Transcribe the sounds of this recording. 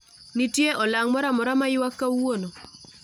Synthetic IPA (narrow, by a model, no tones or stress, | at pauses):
nitjeʔɔlaŋmɔɾamɔɾamajɪwakːawono